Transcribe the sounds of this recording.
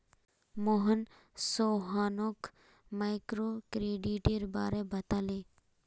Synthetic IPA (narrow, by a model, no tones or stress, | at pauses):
moɦən | soːɦaːnoːk | majkɾoːkɾeːɖiːʈeɾba̰ːɾebɐt̪aːleː